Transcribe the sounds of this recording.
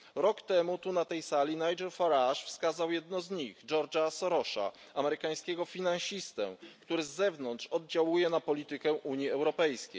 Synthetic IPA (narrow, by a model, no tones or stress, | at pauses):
ɾɔkt̪ɛmut̪unat̪ɛjsalʲinajd͡ʒɛɾfaɾaʂfskazawjɛd̪nɔzɲixd͡ʐɔɾd͡ʐasɔɾɔʂa̰ | amɛɾɘkaj̃skʲɛɡɔfʲinãnɕist̪ɛ̰kt̪uɾɘzːɛvnɔnt̪ʂɔd̪̚d͡ʑawujɛnapɔlʲit̪ɘkɛʔuɲiɛwɾɔpɛjskʲḛj